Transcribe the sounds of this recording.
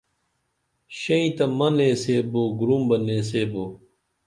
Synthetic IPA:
ɕɐĩt̪ɐmɐnẽːseːboːɡɾumbɐnẽːs̬eːboː

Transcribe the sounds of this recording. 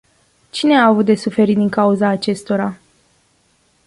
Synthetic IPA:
t͡ʃine̞aːvut̪̚d̪e̞sufe̞ɾit̪d̪iŋkauzaːt͡ʃe̞st̪o̞ɾa

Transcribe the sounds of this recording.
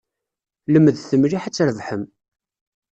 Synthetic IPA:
ləmːəðθəmliħat͡sːɾəvħəm

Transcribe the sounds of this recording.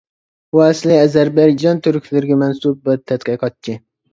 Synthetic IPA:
uɛslˠɪɛzæɾbɛjd͡ʒɑnt̪ʰyɾkʲʰlɪɾɪɡʲɛmɛnsub̚bɪɾt̪ʰɛt̪qɨqʰɑt̪̚t͡ʃʰːi

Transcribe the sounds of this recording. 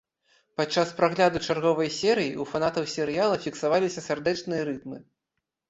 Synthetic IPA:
pat͡ʂːaspɾaɣlʲad̪ut͡ʂarɣɔvɐjsʲɛɾɨjiufanat̪ɐwsʲɛɾɨjalˠɐfʲiksavalʲisʲɐsʲɛrd̪ɛt͡ʂnɨjɐɾɨt̪mɨ

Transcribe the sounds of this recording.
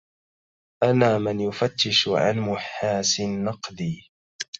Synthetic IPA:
ʔanaːmɪnjʊfat̪ːɪʃʕa̰nmʊħaːsɪnːɑqd̪iː

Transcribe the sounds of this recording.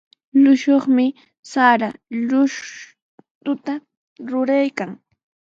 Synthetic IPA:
lʊʃoχmɪ | saɾalʊʃ | t̪ʊt̪a | ɾʊɾajkaŋ

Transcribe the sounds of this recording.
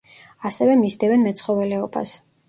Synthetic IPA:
asɛvɛmisd̪ɛvɛnmɛt̪sʰχɔvɛlɛɔba̰s

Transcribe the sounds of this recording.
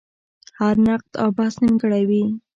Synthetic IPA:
haɾnaq̚t̪a̰wbahsnəmɡəɽawi

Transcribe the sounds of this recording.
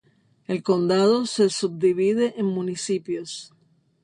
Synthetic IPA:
e̞lko̞nd̪að̞o̞se̞sub̚d̪iβiðe̞ʔeŋmũnisipjo̞s

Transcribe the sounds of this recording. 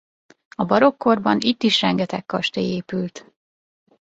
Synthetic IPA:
ɒbɒɾo̞kːo̞rbɒnit̪ːiʃrɛŋɡɛt̪ɛkkɒʃt̪eːeːpylt̪

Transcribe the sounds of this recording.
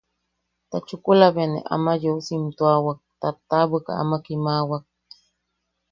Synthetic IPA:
t̪at͡ʃʊkulaβenḛʔa̰majousimt̪uawak̚t̪at̪ːaβɨka̰a̰makimawak̚

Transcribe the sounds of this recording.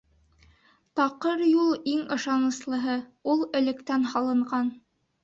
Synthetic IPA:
t̪ɑqɤɾjulˠiŋɤ̆ʃɑnɤ̆slˠɤ̆ɦɤulˠɘ̆lɘ̆kt̪ænhɑlˠɤ̆ɴɢɑn

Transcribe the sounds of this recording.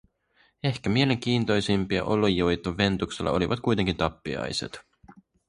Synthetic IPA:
e̞hkæmie̞le̞ŋk̟iːnt̪o̞jsimpiɑ̰ʔo̞lːojːojt̪ːoːe̞nt̪ukselːɑ̰o̞liʋɑt̪kujt̪eŋkint̪ɑpːiɑ̰jse̞̰t̪

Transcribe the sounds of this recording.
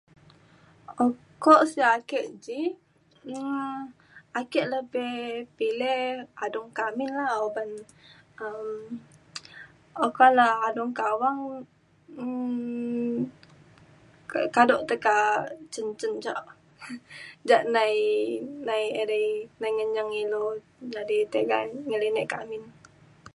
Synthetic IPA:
okɔʔsiakəʔd͡ʒi | akɛʔləbɛhpilɛadɔŋkaminlaoban | əm | okalaadɔŋkawaŋ̩ | kkadɔʔt̪əkat͡ʃənt͡ʃənd͡ʒa̰ʔ | d͡ʒaʔnajnajədəjnajŋəɲaŋilo | d͡ʒadit̪eɡa̰ŋəlinəʔkamɪn

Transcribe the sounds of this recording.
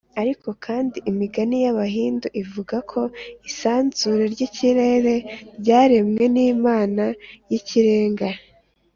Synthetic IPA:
aɾiko̞kʰaːndiʔimiɡanijaβaɦiːnduʔivuɡakʰo̞isaːnzuɾe̞ɾɟiciɾe̞ɾe̞ɾɟaːɾe̞mŋe̞niːmaːnajiciɾe̞ːŋɡa

